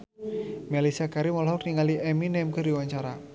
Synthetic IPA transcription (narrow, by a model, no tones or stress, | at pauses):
mɛlisakaɾimɔlɦɔk̚niŋaliʔɛminɛmkəɾiwaɲt͡ʃaɾa